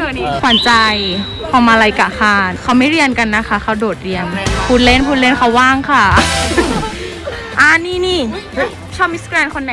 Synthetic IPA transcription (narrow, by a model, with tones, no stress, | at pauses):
kʰɔ˧˩nt͡ɕa˧j | kʰɔː˧˩mʔa˧ɾa˧jka˨˩kʰaː˧˩nkʰa˧˥wma˥˩jɾi˧ənka˧nːa˦˥kʰa˦˥kʰa˧˥˩wdoː˨˩t̪̚ɾi˧ənpʰuː˧˥t̪̚le˦˥˨npʰu˧t̪̚le˥˩nkʰa˧˥˩waː˥˩ŋkʰa˧˥˩ | ʔaː˧˩niː˧˥˩niː˥˩ | t͡ɕʰɔː˥˩p̚mi˦˥skɾɛː˧nkʰo˧nːa˨